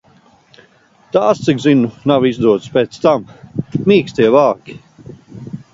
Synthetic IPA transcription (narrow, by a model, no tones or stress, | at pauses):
t̪aːst̪sikzinunavizd̪uɔt̪spʲeːt̪st̪ammiːkst̪iɛvaːkʲi̥